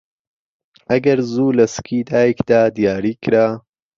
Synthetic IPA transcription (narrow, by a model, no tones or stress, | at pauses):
ʔɐɡɐɾzuːlɐsɨ̥kʰiːd̪aːjəkd̪aːd̪ijaːɾiːkɨɾaː